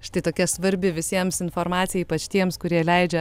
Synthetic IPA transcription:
ʃt̪ɐɪt̪oːkʲɛsʋɐɾʲbʲɪʋʲɪsʲiɛmsɪnfoːɾmɑːt̪sʲɪjiːpɐt͡ʃt̪ʲiɛmskʊɾʲiɛlʲɛɪd͡ʒʲɛ

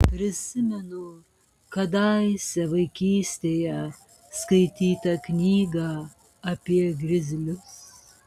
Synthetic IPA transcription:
pʲɾʲɪsʲɪmʲɛnʊ | kɐd̪ɑɪsʲɛʋɐɪkʲiːsʲt̪ʲeːjɛ | skɐɪt̪ʲiːt̪ɐknʲiːɡɑ | ɐpʲiɛɡɾʲɪzʲɪlʲʊs

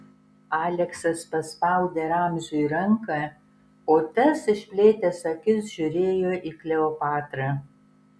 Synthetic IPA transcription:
ɑːlʲɛksɐspɐspɐˑʊd̪ʲeːɾaːmʲʒʲʊiɾɐŋkɐ | oːt̪ɐsɪʃʲpʲlʲeːt̪ʲɛsɐkʲɪsʒʲʊɾʲeːjoːʔiːklʲɛopɑːt̪ɾɐ

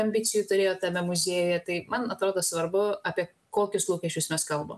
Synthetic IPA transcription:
ɐmʲbʲit͡s̪ʲɪjuːt̪ʊɾʲeːjoːt̪ɐmʲɛmʊzʲeːjjɛt̪ɐɪmɐnɐt̪ɾoːd̪oːsʋɐrbʊɐpʲiɛ | koːkʲʊslˠuːkʲɛʃʲt͡ʃʲʊsmʲɛskɐlˠbo̰ːm

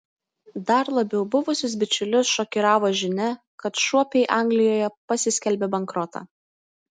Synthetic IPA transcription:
d̪ɐɾlˠɐbʲɛʊbʊʋʊsʲʊs̬bʲɪt͡ʃʲʊlʲʊsʃɔkʲiɾɑːʋoːʒʲɪnʲɛ | kɐt̪ʃuɔpʲɛɪʔɑˑŋɡlʲɪjoːjɛpɐsʲɪsʲkʲɛlʲbʲɛbɐŋkɾɔt̪ɑ̰

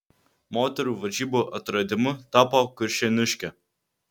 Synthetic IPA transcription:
moːt̪ʲɛɾuːʋɐd͡ʒʲiːboːʔɐt̪ɾɐd̪ʲɪmʊt̪ɑːpokʊɾʲʃʲɛnʲʊʃʲkʲɛ

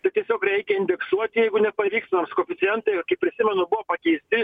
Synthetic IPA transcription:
t̪ɐɪt̪ʲiɛsʲoːkɾʲɛɪkʲɛɪnʲd̪ʲɛksuɔt̪ʲɪjɛɪɡʊnʲɛpɐʋʲiːkst̪ʲnɐmskoːfʲɪt̪sʲɪjɛnt̪ɐɪɪkɐɪp̚pʲɾʲɪsʲɪmʲɛnʊbʊʋoːpɐkʲɛɪsʲt̪ʲɪ

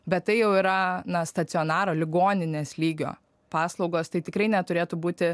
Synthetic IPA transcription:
bʲɛt̪̚t̪ːɐɪjɛʊiːɾɐnɐst̪ɐt̪t͡ssʲɪoːnɑːɾoːlʲɪɡoːnʲɪnʲeːslʲiːɡʲo̰ː | pɑːslˠɒʊɡoːst̪ɐɪt̪ʲɪkɾɐɪnʲɛt̪ʊɾʲeːt̪ʊbuːt̪ʲɪ

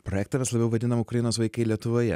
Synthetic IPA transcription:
pɾoːjɛːk̚t̪ɐʋʲɛslˠɐbʲɛʊʋɐd̪ʲɪnɐmʊkɾɐjɪnoːsʋɐɪkɐɪlʲiɛt̪ʊʋoːjɛ

